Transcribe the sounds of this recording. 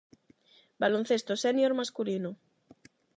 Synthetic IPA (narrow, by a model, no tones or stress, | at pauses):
balon̟θest̪osenjoɾmaskulino